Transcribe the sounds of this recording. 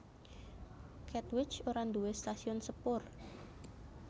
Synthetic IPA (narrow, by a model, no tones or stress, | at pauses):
kʰɛt̪wɪt͡ʃoɾand̪uwest̪asiɔnsəpʊr